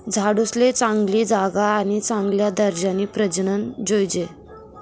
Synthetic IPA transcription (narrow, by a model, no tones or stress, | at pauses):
d͡zʱaɽuslet͡sãŋɡliːd͡zaɡaːñit͡sãŋɡljad̪əɾd͡ʑaniːpɾəd͡ʑɳənd͡ʑojd͡ʑe